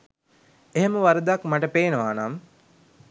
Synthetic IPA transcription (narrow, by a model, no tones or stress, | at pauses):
eɦeməʋaɾəd̪akmaʈəpeːnəʋaːnam